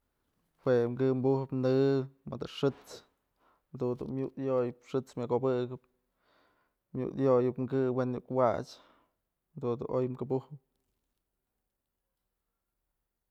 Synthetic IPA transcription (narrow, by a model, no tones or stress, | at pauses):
wekɨmbuhɨpnɨmɨ̰d̪ɨʂɨt͡s | d̪und̪ṵnmjuʔd̪jojɨpʂɨt͡smʲakobɨɡɨp̚ | mʲjṵʔd̪jojɨpŋɡɨwenjuʔkwa̰t͡ʃ | d̪und̪ṵʔojmkɨbuhɨp̚